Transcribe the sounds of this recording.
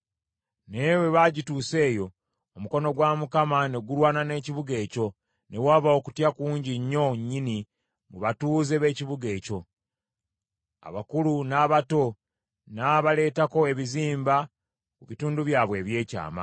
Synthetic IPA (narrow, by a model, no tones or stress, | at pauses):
newe̞βaɟituːse̞ːjo̞ː | muko̞no̞ɡwamukamane̞ɡulwaːnane̞ːciβuɡe̞ːco̞ | ne̞waːβao̞ku̥tjakuːɲɟiɲːo̞ɲini | muβatuːze̞βe̞ːciβuɡe̞ːco̞ | a̰βakulunaːβato̞ | naβale̞ːtako̞e̞βiziːmba | kuβituːnduβjaːβwe̞ːβje̞ːca̰ːma̰